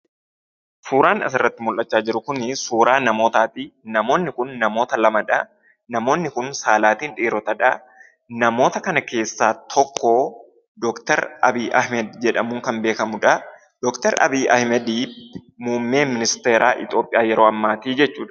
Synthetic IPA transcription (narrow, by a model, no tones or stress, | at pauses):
suːɾaːnɐ̰s̬ɪrːɐt̪ːɪmʊlʔɐt͡ʃːaːd͡ʒɪɾʊkʊnsuːɾaːnɐmo̞ːt̪aːt̪iːnɐmo̞ːnːɪkʊnːɐmo̞ːt̪ɐlɐmɐᶑɐ | nɐmo̞ːnːɪkʊnsaːlaːt̪iːnᶑiːɾɔt̪ɐᶑɐ | nɐmo̞ːt̪ɐkɐnɐke̞ːsːaːt̪ʰɔkːoː | d̪ɔkt̪ɛɾʔɐ̰biːʔɐ̰hmɛd̪d͡ʒɛᶑɐmuːŋkɐnbe̞ːkɐmʊᶑɐ | d̪̥ɔkt̪ɛɾʔɐ̰biːɐ̰hmɛd̪iː | muːmːe̞ːmɪnɪst̪e̞ːɾʔaːʔɪt̪ʼo̞ːpʼːɪjaːjɛɾoːɐmːaːt̪iːd͡ʒɛt͡ʃːuːᶑɐ̥